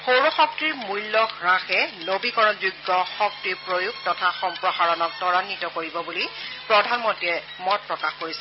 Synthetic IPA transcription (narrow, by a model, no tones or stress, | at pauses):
xowɹɔxɔk̚tɹiɹmujlːɔɡɹãxɛnobikɔɹɔnzuɡːɔxɔk̚tɹiɹpɹojuk̚tɔtʰaxɔmpɹɔɦaɹɔnɔk̚tɔɹanitɔkoɹibɔbulipɹɔdʱanmɔntiɛ | mɔt̚pɹɔkaxkoɹisɛ